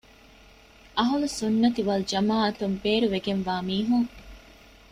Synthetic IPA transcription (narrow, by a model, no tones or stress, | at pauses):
ʔɐɦɐlusunːɐt̪iʋɐlud͡ʒɐmaːɐt̪umbeːɾuʋeɡenʋaːmiːɦuŋ